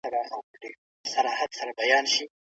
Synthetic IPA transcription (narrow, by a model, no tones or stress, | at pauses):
aɾaʔawɖe | saɾɑhad̪saɾabajɑːnʃi